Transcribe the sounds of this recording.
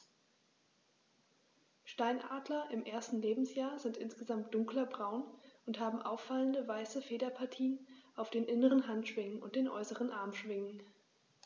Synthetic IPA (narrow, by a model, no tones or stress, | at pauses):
ʃtaɪnʔa̰ːdlɐʔɪmʔeːɐstn̩leːbm̩sjaːɐzɪntʔɪnsɡ̥əzamt̚d̥ʊŋklɐbʁaʊnʔʊntɦaːbm̩ʔa̰ʊfaləndəvaɪsəfeːdɐpʰaɐtʰiːənʔaʊfd̥eːnʔɪnəʁ̞ənɦantʃv̥ɪŋənʊ̰nt̚d̥eːnʔɔ̰ʏsəʁənʔaɐmʃv̥ɪŋən